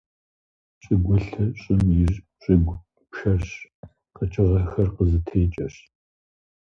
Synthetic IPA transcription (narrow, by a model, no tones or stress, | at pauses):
ɕʼɪɡʷʊɬɐɕʼɪmjɪʒ | ɕʼɪɡʷ | pʃɐrɕ | qət͡ʃʼɪʁɐxɐrqəzɨtʰeːt͡ʃʼɐɕ